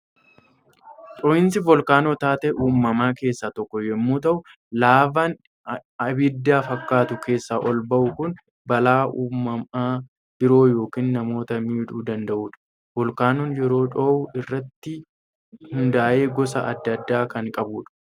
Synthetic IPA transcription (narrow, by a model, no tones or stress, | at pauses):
pʼɔːʔɪnsɪvɔlkaːnot̪aːt̪ɛʔuːmːɐmaːke̞ːsːat̪ɔkːɔjɛmːuːt̪ɐʔʊ | laːbɐn | ɐbɪd̪ːaːfɐkːaːt̪ʊkʰe̞ːsːaʔɔlbɐʔʊkʊn | bɐlaːʔuːmːɐmaː | b̥ɪɾo̞ːjo̞ːkiːnnɐmo̞ːt̪ɐmiːᶑuːd̪ɐnd̪ɐʔuːᶑɐ̥ | vɔlkaːnonjɛɾo̞ːᶑoːʊɪrːɐt̪ːɪ | hʊnd̪aːʔe̞ːɡɔs̬ɐʔɐ̰d̪ːɐd̪ːaːkɐŋkʼɐbuːᶑɐ̥